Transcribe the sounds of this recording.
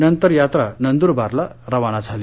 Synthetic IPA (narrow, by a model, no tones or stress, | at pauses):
nənt̪əɾjat̪ɾanənd̪uɾbʱaɾlaɾəʋanat͡sʰali